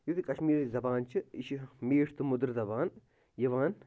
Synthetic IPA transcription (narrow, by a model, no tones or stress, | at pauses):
jut̪ikɐʃmiːɾzɐbaːnt͡ʃʰiiʃimeːʈʰt̪ɨmʊd̪ɾzɐbaːn | jɐʋaːn